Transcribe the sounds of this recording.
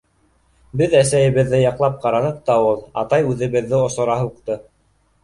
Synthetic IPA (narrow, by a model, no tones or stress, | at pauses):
bɘðæsæjɘ̆βɘ̆ðːɘjɑqlˠɑp̚qɑɾɑnɤq̚t̪ɑɤlˠɑ̰t̪ɑjʉðɘ̆βɘ̆ðːɘŏsŏɾɑɦuqt̪ɤ